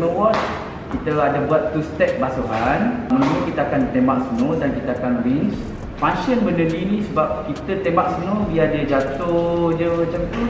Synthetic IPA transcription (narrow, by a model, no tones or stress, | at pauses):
nõwɔt̚ | kit̪əadabuat̪ːust̪ɛk̚basuɦanmənãməkit̪əakant̪embaŋ̚sənodankit̪əakanwins | faŋʃənbənəninĩsəbap̚kit̪ət̪embak̚sənobiadəd͡ʒat̪ʊd͡ʒəmat͡ʃamt̪u